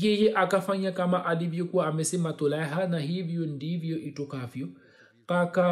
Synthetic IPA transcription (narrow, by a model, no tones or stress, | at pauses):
hijɛʔakafaɲakamaʔalivjɔkuwaːmɛsɛmatɔlɛɦanahivijɔn̩divjɔʔitɔkafjɔ | kaka